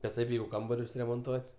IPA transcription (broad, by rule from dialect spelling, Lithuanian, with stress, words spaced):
bʲɛt ˈtɐɪp ˈjɛɪɡʊ ˈkɐmbɐrʲʊs rʲɛmoːnˈtuɔtʲ